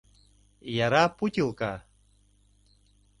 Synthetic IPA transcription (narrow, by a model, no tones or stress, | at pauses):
jaɾaːpʊtilˠka